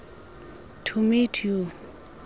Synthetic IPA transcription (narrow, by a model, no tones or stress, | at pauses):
tʰumitʰju